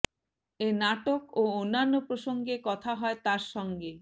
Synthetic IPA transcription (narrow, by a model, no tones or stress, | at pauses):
enaʈokoonːanːopɾoʃoŋɡekɔt̪ʰaɦɔet̪aɾʃɔŋɡe